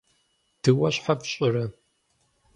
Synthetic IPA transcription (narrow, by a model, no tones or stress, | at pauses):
d̥ʰɨwɐɕħapɕʼɪrɐ